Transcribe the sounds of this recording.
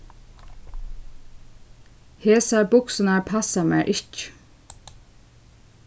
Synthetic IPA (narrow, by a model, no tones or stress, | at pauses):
heːsabʊksənaɹpʰasamɛ̰ːʔɪc